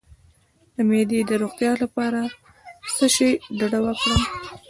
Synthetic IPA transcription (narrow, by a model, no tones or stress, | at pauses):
d̪əmed̪ed̪əɾoɣt̪jɑlapɑɾa | səʃəjɖaɽawəkɽə